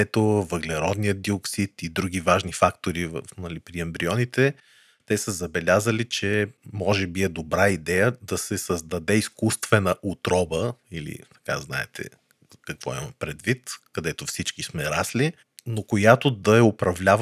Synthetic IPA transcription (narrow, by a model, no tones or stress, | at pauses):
ɛt̪ovəɡlɛɾɔd̪nijəd̪ioksit̪id̪ɾuɡivaʒnifakt̪oɾivə̰fnɐlipɾiɐmbɾiɔnit̪ɛ | t̪ɛsəzɐbɛlʲazəlit͡ʃɛmɔʒɛbiɛd̪obɾaid̪ɛjəd̪ɐsɛsəzd̪ɐd̪ɛiskust̪vɛnəʔut̪ɾɔbəilḭt̪ɐ̥ka̰zna̰ɛ̰t̪ʰɛ̰ | kɐkvɔ̰ḭmɐ̰pɾɛd̪vit̪kɐd̪ɛt̪ofsit͡ʃkismɛɾasli | nokojat̪od̪ɐɛopɾɐvlʲav